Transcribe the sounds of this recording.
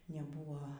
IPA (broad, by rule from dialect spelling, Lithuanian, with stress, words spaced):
nʲɛˈbuːʋoː